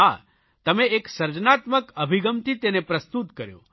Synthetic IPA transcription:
a | t̪əmeeksəɾd͡ʒnat̪məkəbʱiɡəmt̪ʰit̪enepɾəst̪ut̪kəɾjõ̰

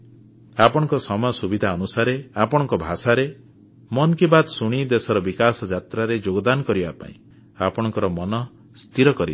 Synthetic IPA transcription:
apɔɽ̃ɔŋkɔsɔmɔjɔsubid̪ʱaɔnusaɾeapɔɽ̃ɔŋkɔbʱasaɾe | mɔnkibad̪suɽ̃id̪esɔɾɔbikasɔd͡ʒat̪ɾaɾed͡ʒoɡɔd̪anɔkɔɾibapa̰ḭ̃ | apɔɽ̃ɔŋkɔɾɔmɔnɔ | st̪ʰiɾɔkɔɾib

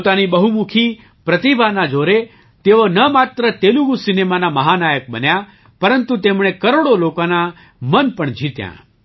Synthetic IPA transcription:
t̪anibəɦumukʰi | pɾət̪ibʱanad͡ʒoɾe | t̪eonəmat̪ɾət̪eluɡusinemanaməɦanajək̚bənja | pəɾənt̪ut̪emɳ̃ekəɾoɽolokana | mənpəɳd͡ʒʱit̪jã̰

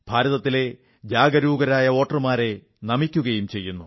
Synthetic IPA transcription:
b̥ʱaːɾɐðɐt̪ːile̞ | d͡ʑaːɡɐɾuːɡɐɾaːjɐo̞ːʈɐrɨmaːɾe̞ | nɐmikʲːuɣɐjumt͡ɕe̞jːunːu

